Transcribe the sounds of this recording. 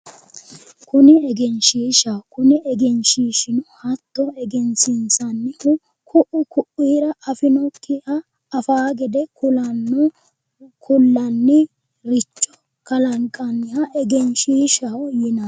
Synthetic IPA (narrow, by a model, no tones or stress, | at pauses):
kʊnɪɛɡɛnʃiːʃakʊnɪʔɛɡɛnʃiːʃɪnʊhɐt̪ːɔɛɡɛnsɪnsɐnːɪhʊ | kʰʊʔʊkʊʔiːɾɐʔɐfɪnɔkʰːɪɐː | faːɡɛd̪ɛkʰʊlɐnːɔ | kʰʊlːɐnːɪ | ɾɪt͡ʃʼːɔ | kɐlɐŋkʼːɐnːɪhɐʔɛɡɛnʃiːʃɐwjɪnɐ